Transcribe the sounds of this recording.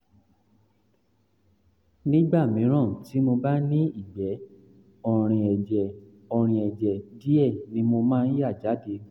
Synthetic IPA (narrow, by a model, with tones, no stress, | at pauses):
nĩ˦ɡ͡ba˦˨mĩ˨˦ɾ̃ã˦˨ti˨˦mo˧ba˦nĩ˦i˦˨ɡ͡bɛ˨˦ | ɔ˧ɾ̃ĩ˧ɛ˨d͡ʒɛ˨ | ɔ˧ɾ̃ĩ˧ɛ˨d͡ʒɛ˨di˦ɛ˦˨nĩ˧˦mo˧mãː˦n̩˦ja˦˨d͡ʒa˨˦de˧